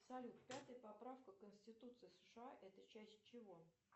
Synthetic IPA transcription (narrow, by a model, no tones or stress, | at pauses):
sɐlʲut̪pʲat̪əjəpɐpɾafkəkənsʲtʲɪt̪ut̪sɨɪsə̥ʂɨaʔɛt̪ət͡ɕæsʲtʲt͡ɕɪvo